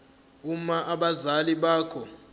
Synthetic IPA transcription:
umaʔaɓazaliɓaːkʰɔ

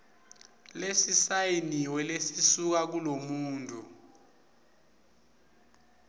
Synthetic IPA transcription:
lesisajiniwɛlesisuk̬ak̬ulomuːntʼu

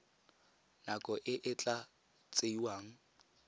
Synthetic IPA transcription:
nakʼɔʔɪʔɪt͡ɬʼa | t͡sʼeiwaːŋ̩

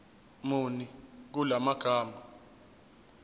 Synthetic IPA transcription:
munik̬ulamaɡ̥ʱaːma

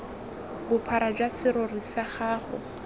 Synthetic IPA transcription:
bʊpʰaɾad͡ʒwasɪɾɔrisaχaːχʊ̰

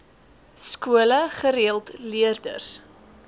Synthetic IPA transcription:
skuələχəɾiəlˠtliərdə̰rs

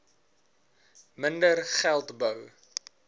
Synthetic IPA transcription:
məndərχælˠtbəw

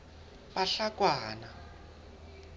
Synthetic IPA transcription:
paɬakwaːna

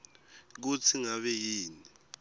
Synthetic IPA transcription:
k̬ut͡sʰiŋaɓɛjiːni

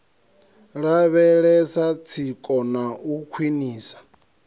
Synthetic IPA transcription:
ɺaβɛɺɛsat͡sʰikʼɔnaukʰwiniːsḁ

